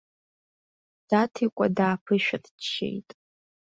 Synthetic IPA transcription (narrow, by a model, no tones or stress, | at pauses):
d̥atʰikʷʼadaːpʰɨʃᶣatʃḛjtʼ